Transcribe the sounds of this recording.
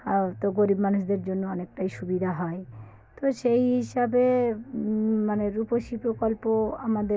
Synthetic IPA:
t̪oɡoɾibmanuʃd̪eɾd͡ʑonːoɔnek̚ʈajʃubid̪ʱaɦɔe | t̪oʃejɦiʃabe | maneɾupoʃipɾokolpoamad̪e

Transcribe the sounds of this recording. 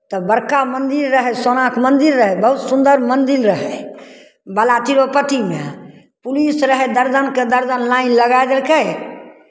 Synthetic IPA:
t̪ɔbəɾkamənd̪iɾːəɦɛsonakʰmənd̪iɾːəɦɛbəɦut̪sund̪əɾmənd̪iɾːəɦɛ | bəlat̪iɾopət̪ime | pulisɾəɦɛd̪əɾd͡ʒənked̪əɾd͡ʒənlainləɡajd͡ʒ̪əɾkɛ

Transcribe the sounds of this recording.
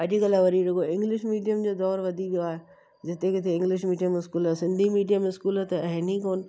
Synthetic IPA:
ɐd͡ʑiɡɐlaʋɐɾiɾʊkoɪ̃ŋɡlɪʃmiːɖijəmd͡ʑoːd̪ɔːɾʋɐd̪ʱiʋijoaːɦe | d͡ʑɪt̪ekɪt̪ʰeɪ̃ŋɡlɪʃmiːɖijəmɪskuːlasɪ̃nd̪ʱimiːɖijəmɪskuːlət̪ɐɦɪnikoːnɪ̆

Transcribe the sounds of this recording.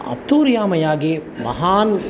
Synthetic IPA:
ɐ̰p̚t̪uːɾjaːmɐjaːɡemɐ̰ɦaːn

